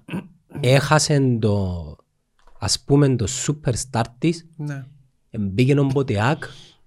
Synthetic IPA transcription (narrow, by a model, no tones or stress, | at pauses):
exasend̪o | a̰spumend̪osːupʰːeɾst̪aɾt̪ːis | embikenombot̪iak